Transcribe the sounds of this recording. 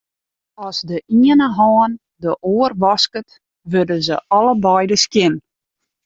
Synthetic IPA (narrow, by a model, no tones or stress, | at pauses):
ɔsdəʔiənəɦɑːn | dəʔoərʋɑskət | ʋødəzə̰ɔləbɔjdəskjɪn